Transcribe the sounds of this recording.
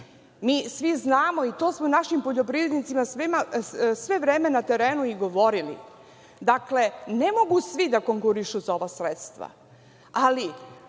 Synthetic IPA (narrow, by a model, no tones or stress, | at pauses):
miːsʋiznaːmo̞it̪o̞ːsmounaʃimpo̞ʎo̞pɾivɾed̪nit̪simasʋimasʋe̞ʋɾe̞ːme̞nat̪e̞ɾe̞ːnuiɡo̞ʋo̞ɾilḭ | d̪akle̞ne̞mo̞ɡusʋid̪ako̞ŋkuɾiʃuzao̞ʋasɾet̪st̪ʋa̰ | ali